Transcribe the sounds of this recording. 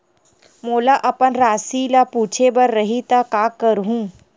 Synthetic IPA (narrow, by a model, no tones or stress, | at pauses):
moːlaʔəpənɾaːsilapuːt͡ʃʰebəɾːəɦit̪akakəɾɦũː